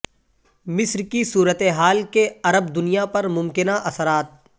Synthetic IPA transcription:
mɪsɾkisuːɾət̪eɦaːlkeɐɾəbd̪ʊnijapɐɾmʊ̃mkɪnaʔɐsəɾaːt̪̚

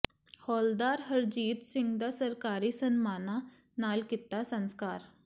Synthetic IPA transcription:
hɔld̪aɾɦəɾd͡ʑiːt̪siŋɡd̪asəɾkaɾisənmana | nalkit̪ːasə̃nskaːɾ

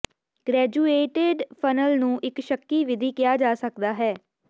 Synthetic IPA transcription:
ɡ̥ɾɛːd͡ʒuːeːʈeɖpʰənəlnũːʔɪkʃəkːiːʋɪd̪ʱiːkɪjaːd͡ʒaːsəkd̪aːɦɛː

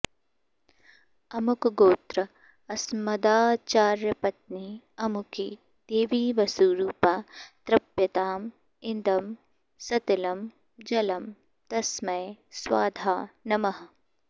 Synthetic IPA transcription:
ɐmukɡoːt̪ɾɐ | ɐsmɐd̪aːt͡ʃaːɾjɐpɐt̪̚ni | ɐmuki | d̪̥eːʋiːʋɐsuɾuːpaːt̪ɾɐpjɐt̪aːm | ɪnd̪ɐm | sɐt̪ɪlɐm | d͡ʒɐlɐm | t̪ɐsmɐjswa̰ːd̪ʱaːnɐmɐɦɐ

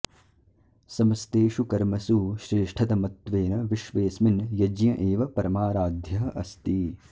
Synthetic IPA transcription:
sɐmɐst̪eːʃukɐɾmɐsuːʃɾiːʂʈʰɐt̪ɐmɐt̪ʋeːnɐʋiʃʋeːsminjɐd͡ʒjɐʔeːʋɐpɐɾɐmaːɾaːd̪ʱjɐɦɐʔɐst̪i

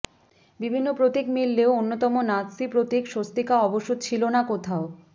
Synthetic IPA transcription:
bibʱinːopɾot̪ikmilːeoonːot̪ɔmonat̪sipɾot̪ikʃost̪ikaɔboʃod̪̚t͡ɕʰilonakot̪ʰao

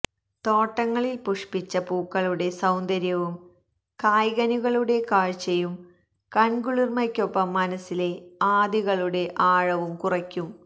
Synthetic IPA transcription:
t̪o̞ːʈːɐŋːɐɭilpuʂpit͡ɕːɐpuːkːɐɭuɽe̞sɐwnd̪ɐɾjɐʋum | kaːjɣɐnuɣɐɭuɽe̞kaːɻt͡ɕːɐjum | kɐɳɡuɭirmɐkʲːo̞pːɐmːɐnɐsile̞aːd̪iɣɐɭuɽe̞ʔaːɻɐʋumkurɐkʲːum

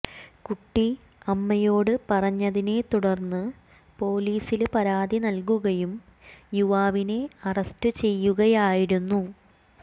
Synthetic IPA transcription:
kuʈːi | ɐmːɐjo̞ːɽɨpɐrɐɲːɐðine̞t̪uɽɐrnːɨ | po̞ːliːsilpɐɾaːd̪inɐlk̬uɣɐjum | juʋaːʋine̞ɐrɐstɨt͡ɕe̞jːuɣɐjaːjiɾunːu

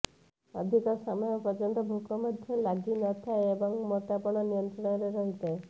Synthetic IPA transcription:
ɔ̰d̪ʱikɔsamɔjɔpɔd͡ʒɔɳʈɔbʱukɔmad̪ʱjɔlaɡinat̪ʰaeebɔŋmɔt̪apɔɽ̃ɔnijɔnt̪ɾɔɽ̃ɔ̃ɔɾeɾɔɦit̪ʰae

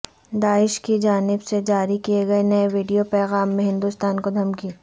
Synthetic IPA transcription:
d̪aːɪʃkid͡ʒaːnɪbsed͡ʒaːɾikieɡɐenɐeʋiːɖijopɛːɣaːmːẽɦɪ̃nd̪ust̪aːnkod̪ʱɐmkiː

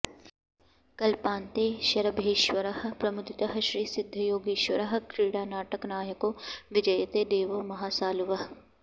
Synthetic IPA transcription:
kɐlpãːnt̪eːʃɐɾɐbʱeːʃʋəɾəɦpɾɐmʊt̪ɪt̪ɐɦʃɾiːsɪd̪ʱːɐjoːɡiːʃwɐɾəɦkɾiːɽaːnaːʈəknaːjəkoːʋɪd͡ʒɐjət̪eːd̪eːʋoːmɐɦaːsaːluʋɐɦ

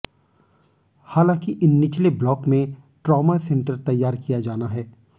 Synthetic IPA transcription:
haːlãːkiʔɪnːɪt͡ʃleblɔːkmẽʈɾɔːmasɛ̃ɳʈəɾt̪ɐjːaːɾkijad͡ʒaːnaɦɛː

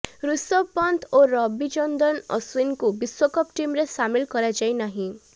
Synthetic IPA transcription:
ɾusɔpɔnt̪ʰoɾɔbid͡ʒɔnd̪ɔnɔ̰swinkubiswɔkɔpʈimɾesamilkɔɾad͡ʒajnaɦĩ

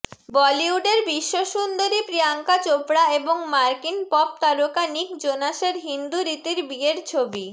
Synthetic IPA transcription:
bɔliuɖeɾbiʃːoʃund̪oɾipɾiaŋkat͡ɕopɾaeboŋmaɾkinpɔp̚t̪aɾokanikd͡ʑonaʃeɾɦind̪uɾit̪iɾbieɾt͡ɕʰobi

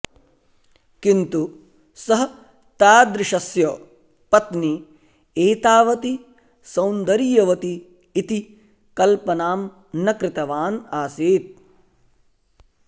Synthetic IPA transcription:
kint̪u | sɐɦɐ | t̪aːd̪ɾɪʃɐsjoː | pɐt̪ni | eːt̪aːʋɐt̪i | sɐwnd̪ɐɾijɐʋɐt̪iː | t̪i | kɐlpɐnaːm | nɐkɾɪt̪ɐʋaːnaːsiːt̪̚

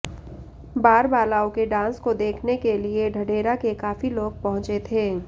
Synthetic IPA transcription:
baːɾbaːlaːõkeɖãːnskod̪eːkʰnekelieɖʱɐɖeːɾakekaːfiloːɡ̚pɐɦʊ̃t͡ʃet̪ʰẽː

